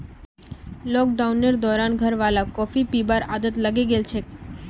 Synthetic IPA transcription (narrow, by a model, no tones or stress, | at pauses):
lɔk̚ɖaunːeɾd̪ɔɾanɡʱəɾʋalakɔfipibaɾad̪ət̪ləɡeɡelt͡ʃʰe